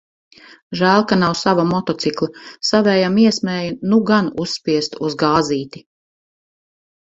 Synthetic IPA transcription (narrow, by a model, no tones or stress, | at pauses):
ʒæːlˠkanawsavamɔt̪ɔt̪siklˠɐsavɛːjamiɛsmeːjunuɡanusːpiɛst̪uzɡaːziːt̪i